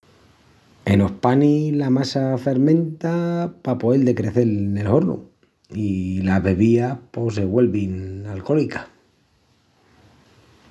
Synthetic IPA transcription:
e̞no̞hpanilamasafe̞ɾmẽ̞nt̪apapoeld̪e̞kɾeθe̞lne̞lhoɾnṵ | ilaβe̞βiapo̞seβwe̞lβinalko̞likḁ

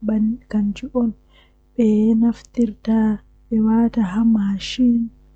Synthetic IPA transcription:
bankand͡ʒiʔɔn | ɓɛnaft̪iɾtaː | ɓɛwaːtaɦamaʃin

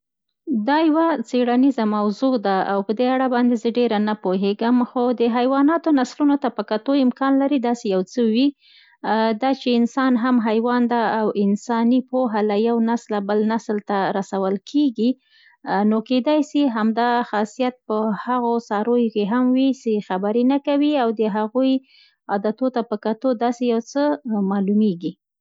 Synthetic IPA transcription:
d̪ɑjawat͡seɽanizamawzod̪aa̰wpəd̪eaɽabɑnd̪ezəɖeɾanapoɦeɡəmxod̪əɦajwɑnɑt̪onaslunot̪apəkat̪oɪmkɑnlaɾid̪ɑsejawt͡səwi | d̪ɑt͡ʃeɪnsɑnɦamɦajwɑnd̪aawɪnsɑnipoɦalajawnaslabəlnaslt̪aɾasawəlkʰeɡi | noked̪ɑjsiɦamd̪ɑxɑsijat̪̚pəhaɣosɑɾojokeɦamwisexabaɾenakawiawd̪əɦaɣuj | ɑd̪at̪ot̪apəkat̪od̪ɑsejawt͡səmɑlumeɡi

